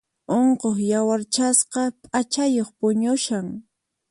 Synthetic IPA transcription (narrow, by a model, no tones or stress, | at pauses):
oɴqoχjawaɾt͡ʃasqɑpʼat͡ʃajoχpʊɲʊʃaŋ